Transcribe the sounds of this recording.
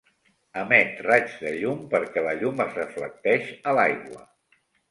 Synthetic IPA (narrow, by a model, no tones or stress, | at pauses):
əmɛt̪rad͡ʒðəʎumpəɾkɛləʎuməzrəflək̚t̪ɛʃəlajɣwə